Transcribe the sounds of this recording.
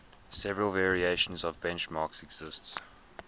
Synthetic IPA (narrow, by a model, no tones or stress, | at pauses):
sɛvəɹəlˠvɛːɹieʃə̃nzəvbɛ̃nt͡ʃmɑˑksɛɡz̥ɪsts